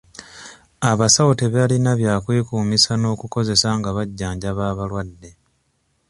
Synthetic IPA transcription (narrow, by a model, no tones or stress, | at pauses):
aβasawoteβalinaβjaːkwiːkuːmisano̞ːkuko̞ze̞saŋɡaβaɟːaːɲɟaβaːβalwadːe̞